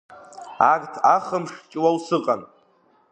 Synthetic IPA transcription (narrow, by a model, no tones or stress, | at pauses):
aɡʼtʰaχəmʂt͡ʃʼwawsɨqʼan